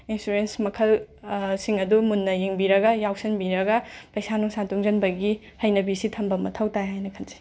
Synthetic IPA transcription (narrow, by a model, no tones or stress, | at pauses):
insuɾensmɐkʰɐlsiŋɐdumunːɐjeŋbiɾɐɡɐjawsɐnbiɾɐɡɐpɐjsanuŋsantuŋzɐnbɐɡi | hɐjnɐbisitʰɐmbɐmɐtʰɐwtajɦajnɐkʰɐnzi̥